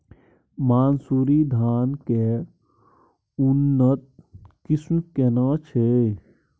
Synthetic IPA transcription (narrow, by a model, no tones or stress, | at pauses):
maːnsuːɾid̪ʱaːnke | ʊnːət̪̚kɪsmkenãːt͡ʃʰe